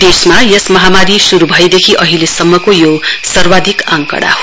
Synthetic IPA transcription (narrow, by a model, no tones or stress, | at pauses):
d̪̥esmajesmʌɦamaɾisuɾubʱʌjd̪ekʰiʔʌɦilesʌmːʌkojosʌrbad̪ʱikãŋkʌ̰ɽa̰ɦo